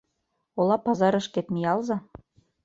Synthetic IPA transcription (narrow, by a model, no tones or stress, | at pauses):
olˠɑpɑzɑɾɤ̆ʃket̪mijɑlzɑ